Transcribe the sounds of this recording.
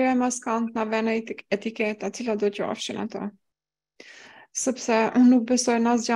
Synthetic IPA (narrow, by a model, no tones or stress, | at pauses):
ɛmaskant̪navɛnat̪ɛt̪ikɛt̪ːat͡silad̪ɔcəa̰fʃina̰t̪ɔ̰ | səpsɛnuk̚bɛsɔjnazɟa